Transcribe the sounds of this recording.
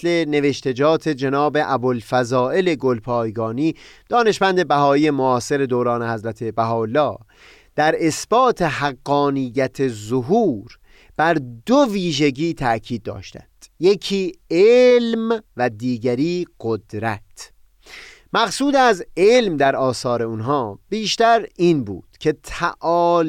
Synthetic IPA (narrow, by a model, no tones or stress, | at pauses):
sle̞ne̞ve̞ʃt̪e̞d͡ʒɒːt̪ʰe̞d͡ʒenɒːbe̞ʔæbolfæzɒːʔe̞le̞ɡo̞lpʰɒːjɡɒːniːd̪̥ɒːne̞ʃmænd̪e̞bæɦɒːiːje̞moɒːse̞ɾe̞d̪oːɾɒːne̞hæzɾæt̪ʰe̞bæɦɒːlːɒː | d̪̥æɾe̞sb̥ɒːt̪ʰe̞ɦæɡːɒːnijːæt̪ʰe̞zoɦuːɾ | b̥æɾd̪oviːʒe̞ɟiːt̪ʰæcʰiːd̪̚ːɒ̰ːʃt̪æ̰nd̪̥jecʰiːelmvæd̪iːɟæɾiːɢ̥od̪ɾæt̪ʰ | mæɡsuːd̪æzelmd̪æɾɒːsɒːɾe̞unɦɒːb̥iːʃt̪æɾiːnbṵːd̪̥cʰe̞t̪ʰæʔɒː